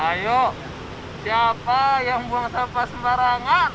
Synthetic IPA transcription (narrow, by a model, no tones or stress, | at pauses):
ajo | siapajaŋbuaŋsapasəmbaɾaŋan